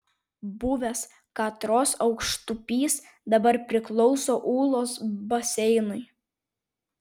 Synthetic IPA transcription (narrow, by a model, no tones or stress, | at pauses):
buʋʲɛs | kɑt̪ɾoːsɒʊkʃt̪ʊpʲiːs | d̪ɐbɐɾpʲɾʲɪklˠɔʊsoːʔuːlˠoːsbɐsʲɛɪnʊɪ